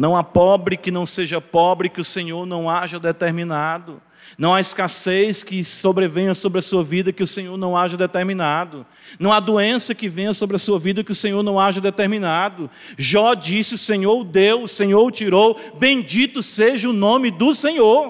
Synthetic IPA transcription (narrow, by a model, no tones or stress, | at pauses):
nɐ̃w̃apɔbɾɪkɪnɐ̃w̃seʒɐpɔbɾɪkɪʊsẽɲoɾnɐ̃w̃aʒɐd̪ɛt̪eɾmĩnad̪ʊ | nɐ̃w̃aiskasejskɪsobɾevẽj̃ɐ̃sobɾɪɐsuɐvid̪ɐkɪʊsẽɲoɾnɐ̃w̃aʒɐd̪ɛt̪eɾmĩnad̪ʊ | nɐ̃w̃ad̪oẽsɐkɪvẽj̃ɐsobɾɐsuɐvid̪ɐkɪʊsẽɲoɾnɐ̃w̃aʒɐd̪ɛt̪eɾmĩnad̪ʊ | ʒɔd͡ʒisɪʊsẽɲoɾd̪ewsẽɲoɾt͡ʃiɾowbẽj̃d͡ʒit̪ʊseʒɐʊnõmɪd̪ʊsẽɲoɾ